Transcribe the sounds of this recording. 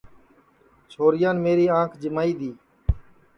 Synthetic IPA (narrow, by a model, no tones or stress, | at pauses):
t͡ʃʰoːɾɪjãːnmeːɾiːãːkʰd͡ʒɪmaːiːd̪iː